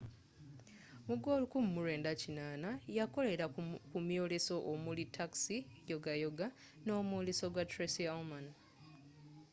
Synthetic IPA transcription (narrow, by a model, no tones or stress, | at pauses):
muɡo̞ːlukumumuɾe̞ːndacinaːnajako̞le̞ɾakumjo̞ːle̞so̞ʔomulitʰːaksijo̞ɡajo̞ɡa | no̞ːmwoːle̞soɡwatɾesialman